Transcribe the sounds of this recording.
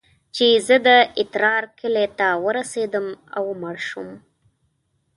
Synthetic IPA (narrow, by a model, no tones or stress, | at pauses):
t͡ʃezəd̪əɪt̪ɾɑɾkʰəlet̪awəɾased̪əmawmɑɾʃum